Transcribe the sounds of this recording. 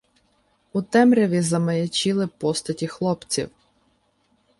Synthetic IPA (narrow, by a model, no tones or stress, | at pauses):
ʊt̪ɛmɾʲɐʋʲizɐmɐjɐt͡ʃilˠɪpɔst̪ɐtʲixlˠɔpt͡sʲḭw